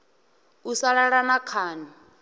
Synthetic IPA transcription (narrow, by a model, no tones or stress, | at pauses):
usaɺaɺanakʰaːna